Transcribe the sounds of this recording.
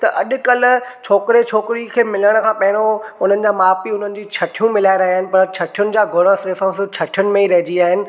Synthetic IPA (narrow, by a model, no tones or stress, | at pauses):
t̪ɐʔɐɗʊ̆kɐlʊ̆t͡ɕʰoːkɪɾet͡ɕʰoːkɪɾikʰeːmɪləɽ̃kʰãːpɐɦɪɽ̃oʊn̤ənɪ̆d͡ʑaːmaːpiʊn̤ənɪ̆d͡ʑiːt͡ɕʰɐʈʰijũmɪlaːeɾɐɦiaːɦɪnɪ̆pɐɾt͡ɕʰɐʈʰijʊnɪ̆d͡ʑaːɡʱʊɾəsesõst͡ɕʰɐʈʰijʊnɪ̆mẽiɾɐɦɪd͡ʑiaːɦɪnɪ̆